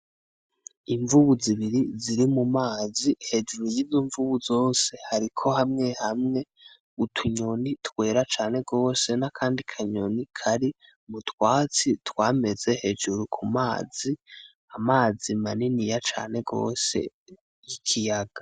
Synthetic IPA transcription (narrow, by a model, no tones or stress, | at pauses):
iɱvuβuziβiɾiziɾimumaːzihe̞d͡ʒuɾijiziːɱvuβuzo̞ːse̞haɾikʰo̞hamŋe̞hamŋe̞ | utʰuɲo̞nitwe̞ːɾat͡ʃaːne̞ɡo̞ːse̞nakʰaːndikʰaɲonikʰaɾi | mutwaːt͡sitwaːme̞ze̞he̞d͡ʒuɾukʰumaːz̥i | amaːzimaninijat͡ʃa̰ːne̞ɡo̞̰ːse̞̰ | jikʰijaɡ̥ḁ